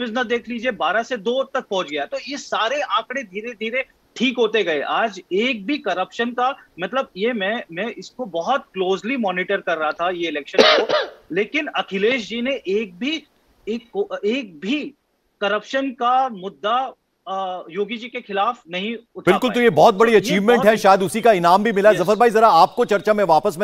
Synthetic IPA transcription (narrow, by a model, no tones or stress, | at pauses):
fɪznɐd̪eːkʰliːd͡ʒiebaːɾased̪oːt̪ɐk̚pɔɦʊt͡ʃɡɐjat̪ojesaːɾeʔãːkɽed̪ʱiːɾed̪ʱiːɾe | ʈʰiːkɦoːt̪eɡɐeʔaːd͡ʒeːk̚bʱikɐɾəpʃənkamɐt̪ləbjemɛ̃mɛ̃ʔɪskobɐɦɔt̪̚kloːzlimɔːnɪʈəɾkɐɾːɐɦat̪ʰajeɪlɛːkʃənkoleːkɪnɐkʰɪleːʃ̬d͡ʒiːneʔeːk̚bʱi | kːoeːk̚bʱi | kɐɾəpʃənkamʊd̪ːa | joːɡid͡ʒikexɪlaːfnɐɦĩʊt̪ʰbɪlkʊlt̪ojebɔːt̪̚bɐɽiɐt͡ʃiːʋmɛ̃ɳʈɦɛʃaːjəd̪ʊsikaɪnaːmbʱimɪlaɦɛzɐfəɾbaːizɐɾaaːp̚kot͡ʃɐɾt͡ʃamẽʋaːpəsme